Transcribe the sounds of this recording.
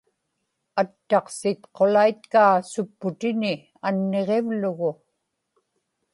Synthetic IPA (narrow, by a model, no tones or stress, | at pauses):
at̪ːɑqsɪt̪qo̞lait̪̚kaːsʊpːʊt̪ɪnɪ | anːeʁevlʊɣʊ